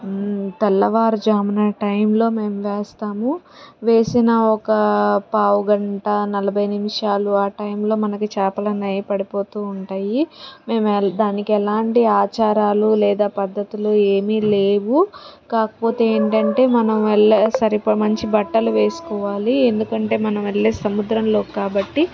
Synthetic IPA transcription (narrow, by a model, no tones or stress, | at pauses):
t̪ɛlːɐʋaːɾud͡ʒaːmɐnɐʈɐjmlo̞ːme̞ːmʋeːst̪aːmu | ʋe̞ːsinɐɔkɐpaːwuɡɐɳʈɐnɐlɐbʱɐjnimiʂaːluaːʈɐjmlo̞ːmɐnɐkit͡ʃɛːpɐlɐnɐjpɐɽipo̞ːt̪uːɳʈaːjime̞ːmɛd̪aːnikiɛlaːɳʈiaːt͡ʃaːɾaːlulɛːd̪aːpɐd̪ːɐt̪iloe̞ːmileːʋukaːkɐ̥po̞ːt̪e̞eːɳʈɐɳʈe̞ːmɐnɐmʋɛɭːesɐɾipɐmɐɲt͡ʃibɐʈːɐluʋe̞ːsu̥kɔːʋaːliend̪ukɐɳʈe̞ːmɐnɐmʋeɭːeːsɐmud̪ɾɐmlo̞ːkaːbɐʈːi